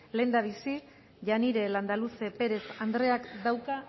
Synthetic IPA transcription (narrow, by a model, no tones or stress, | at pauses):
le̞nd̪aβ̞isi | ʝaniɾe̞land̪aluse̞pe̞ɾe̞sand̪ɾe̞akd̪awka